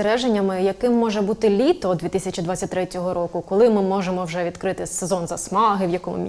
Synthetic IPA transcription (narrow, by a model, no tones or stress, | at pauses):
ɾɛʒenʲːɐmɪjɐkɪmːɔʒɛbut̪ɪlʲit̪ɔd̪ʋʲit̪ɪsʲɐt͡ʃʲid̪ʋat͡sʲːɐtʲt̪ɾɛtʲɔɦɔɾɔkʊkɔlˠɪmɪmɔʒemɔwʒɛʋʲid̪kɾɪt̪ɪsezɔnzɐsmɑɦɪwjɐkɔmʊ̰mʲ